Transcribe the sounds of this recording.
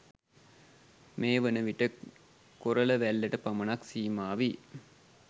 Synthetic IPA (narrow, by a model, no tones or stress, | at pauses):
meːʋənəʋiʈə | koɾələʋælːəʈəpamənaksiːmaːʋi